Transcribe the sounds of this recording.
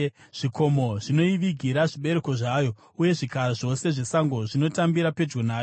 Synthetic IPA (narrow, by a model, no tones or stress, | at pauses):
ʐ̥ikʰo̞mo̞ʐino̞iʋiɡʱiɾaʐiɓe̞ɾe̞ko̞ʐaːjo̞ | uje̞ʐikaɾaʐo̞se̞ʐe̞saŋɡo̞ʐino̞tambiɾape̞d͡ʒɡonaː